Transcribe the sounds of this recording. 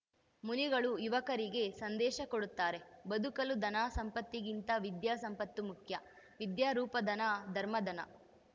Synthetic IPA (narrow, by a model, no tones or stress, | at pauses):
muniɡɐɭujuʋɐkɐɾiɡe̞sɐnd̪ɛːʃɐkoɽut̪ːaːɾe̞bɐd̪ukɐlud̪ɐnaːsɐmpɐt̪ːiɡint̪ɐʋid̪jaːsɐmpɐt̪ːumukʰjɐ | ʋid̪jaːɾuːpɐd̪ɐnad̪ʱɐɾmɐd̪ɐnɐ̰